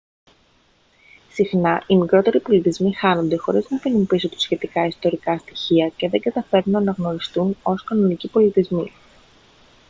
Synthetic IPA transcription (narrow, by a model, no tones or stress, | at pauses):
sixnɐʔimikɾo̞t̪e̞ɾipo̞lit̪izmixɐno̞nd̪e̞xo̞ɾiznɐpinumpisot̪u̥sçe̞t̪ikɐist̪o̞ɾikɐst̪i̥çiɐce̞ðe̞ŋɡɐt̪ɐfe̞ɾnunɐːnɐɣno̞ɾist̪uno̞skɐno̞nicipo̞lit̪izmḭ